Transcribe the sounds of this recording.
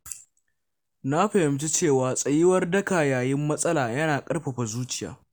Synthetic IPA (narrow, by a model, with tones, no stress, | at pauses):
na˦ɸɐ˨hɪ˨mt͡ʃi˦t͡ʃeː˦˨waː˨sʼɐ˨jɪ˦wɐ˦rdɐ˦kaː˨jaː˨jɪ˦mːɐ˦sʼɐ˦laː˨jɐ˦naː˨kʼɐ˦rɸɐ˨ɸa˨zuː˦t͡ʃɪ̥˦ja̰ː˨